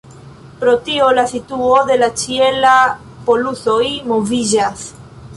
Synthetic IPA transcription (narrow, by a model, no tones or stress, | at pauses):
pɾo̞tio̞lasituo̞de̞lat͡ʃiela | po̞luso̞jmo̞vid͡ʒas